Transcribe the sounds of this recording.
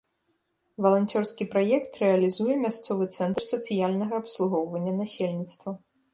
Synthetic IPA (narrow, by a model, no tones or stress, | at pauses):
vɐlˠanʲt͡sʲɔrskʲipɾajɛkt̪rɛɐlʲizujɛmʲast̪sɔvɨt̪sɛnt̪rsɐt̪sɨjalʲnɐɣɐːpslˠuɣɔwvɐnʲːɐnasʲelʲnʲit̪st̪vɐ